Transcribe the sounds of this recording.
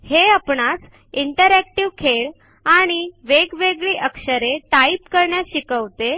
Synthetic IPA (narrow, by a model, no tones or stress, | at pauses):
heapɳat͡s | iɳʈəɾækʈiʋkʰeɭ | aɽ̃iʋeɡʋeɡɭiːʔəkʂəɾeʈaipkəɾɳjaɕikəʋt̪e